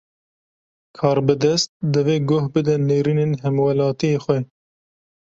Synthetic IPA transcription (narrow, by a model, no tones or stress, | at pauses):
kʰɑːɾbɨd̪ɛst̪̚d̪ɨveːɡohbɨd̪ɛneːɾiːnenɦɛmwɛlɑːt̪ijeːxʷɛ